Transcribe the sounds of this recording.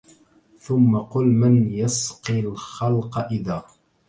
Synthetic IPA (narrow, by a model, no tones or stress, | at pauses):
θʊmːaqʊlmɪnjasqilxalqɑʔɪðaː